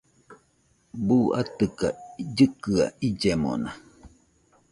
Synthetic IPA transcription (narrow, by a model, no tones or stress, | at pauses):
buʔa̰t̪ɨkad͡ʒɨkɨa̰id͡ʒemo̰na